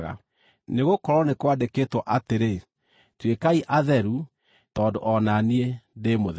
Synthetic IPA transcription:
ɣa̰ | neɣokɔɾɔnekwadeketwɔʔateɾe | twekaiʔaðɛɾu | tɔːndoʔɔnaniedemoðɛ

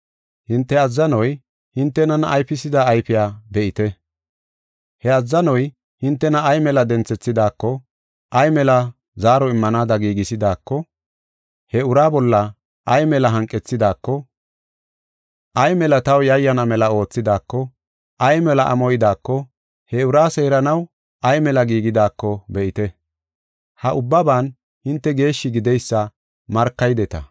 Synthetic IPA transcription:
hɪnt̪ːɛɐzːɐnɔj | hɪnt̪ːɛnɐnɐjpɪsɪd̪aːjfɪjaːbɛʔɪt̪ɛ | hɛɐzːɐnɔj | hɪnt̪ːɛnɐːjmɛlɐd̪ɛnt͡sːɛt͡sːɪd̪aːkːɔ | ʔɐjmɛlɐ | zaːɾɔɪmːɐnaːd̪ɐɡiːɡɪsɪd̪aːkːɔ | hɛʊɾaːbɔlːɐ | ʔɐjmɛlɐɦɐŋkʼːɛt͡sːɪd̪aːkːɔ | ʔɐjmɛlɐt̪ɐwjɐjːɐnɐmɛlɐo̞ːt͡sːɪd̪aːkːɔ | ɐjmɛlɐʔɐ̰mɔjɪd̪aːkːɔ | hɛʊɾaːseːɾɐnɐw | ʔɐjmɛlɐɡiːɡɪd̪aːkːɔbɛʔɪt̪ɛ | hɐʔʊbːɐbaːn | hɪnt̪ːɛɡe̞ːʃːɪɡɪd̪ɛjsːɐ | mɐɾkːɐjd̪ɛt̪ɐ

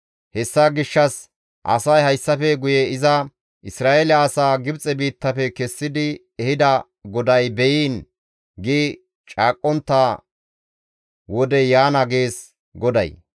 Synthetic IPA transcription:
hɛsːaːɡɪʃːɐs | ʔɐ̰sɐjhɐjsːɐfɛɡʊjɛɪzɐ | ʔɪsɾaːʔelɪaːsaːɡɪbt͡sʼɛbiːt̪ːɐfɛkɛsːɪd̪ɪ | ɛhɪd̪ɐ | ɡɔd̪ɐjbɛjiːn | ɡi | t͡ʃʼaːkʼːɔnt̪ːaː | wɔd̪ɛjaːnɐɡeːs | ɡɔd̪ɐ̰j

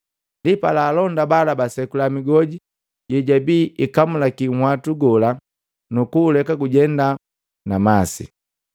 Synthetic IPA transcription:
ndipalaːlɔndabalabasɛkulamiɡɔɟi | ɟɛɟabiːʔikamulakiŋ̩hwatuɡɔla | nukuːlɛkaɡuɟɛnda | namasḭ

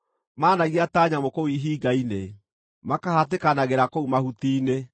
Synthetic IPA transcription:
maːnaɣiataːɲamokowiɦiːɡaine | makahatekanaɣeɾakoumahutiːne

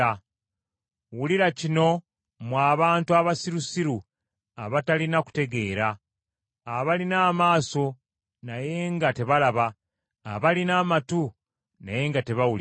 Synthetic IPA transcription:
a | wuliɾacino̞ | mwaːβaːntuaβasiɾusiɾu | aβatalinaku̥te̞ɡe̞ːɾaː | βalinaːmaːso̞ | naje̞ŋɡate̞βalaβaː | βalinaːmatu | naje̞ŋɡate̞βawuli

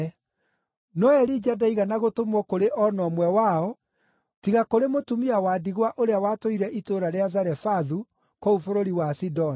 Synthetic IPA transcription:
nɔɛɾid͡ʒadaiɣanaɣotomwɔkoɾeʔɔnɔmwɛwaɔ | tiɣakoɾemotumiawaːdiɣwaʔoɾeawaːtoiɾɛʔitoɾaɾeazaɾɛfaðu | koufoɾoɾiwasidɔn

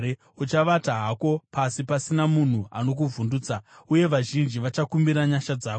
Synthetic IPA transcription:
e | ut͡ʃaʋataɦako̞pasipasinamun̤ua̰no̞k̬uvʱunduːt͡sauje̞ʋaʒind͡ʒiʋat͡ʃakumbiɾaɲaʃad͡zaːko

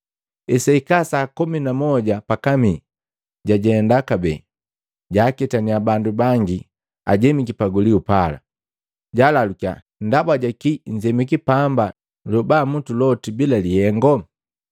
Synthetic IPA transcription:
ɛsaikasaːkuminamɔɟapakami | ɟaɟɛndakabɛ̰ | ɟaːkɛtaniabandubaŋɡi | a̰ɟɛmikipaɡuliupala̰ | ɟalalukia̰ | ndabwaɟakiɲd͡ʒɛmikipamba | lɔbamutulɔtibilalihɛŋɡɔ

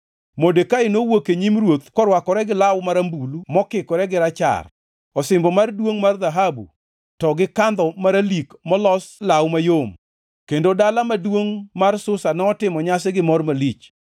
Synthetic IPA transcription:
modekaɪnowokeɲimrwot̪kɔɾwakɔɾɛɡɪlawmaɾambulumɔkɪkɔɾɛɡɪɾat͡ʃa̰r | ɔsɪmbɔmardwoŋmarðaɦabṵ | tɔɡɪkand̪ɔmaɾalikmɔlɔslawmajom | kendodalamadwoŋmarsʊsanɛɔtɪmɔɲasɛɡɪmɔrmalit͡ʃ

